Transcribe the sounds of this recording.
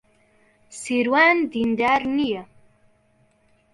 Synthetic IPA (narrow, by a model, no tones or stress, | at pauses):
siɾwaːnd̪ind̪aːɾnije